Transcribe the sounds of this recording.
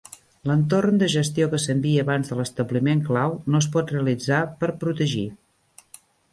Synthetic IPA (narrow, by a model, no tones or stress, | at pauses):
lənt̪ornd̪əʒəst̪iokəsəmbiəːβanzðələst̪əβlimeŋklawnos̬pɔt̪reəlid͡zapəɾpɾut̪əʒi